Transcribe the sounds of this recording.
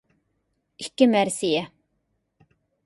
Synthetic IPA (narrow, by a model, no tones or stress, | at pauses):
ɪkːəmæːɾsiːə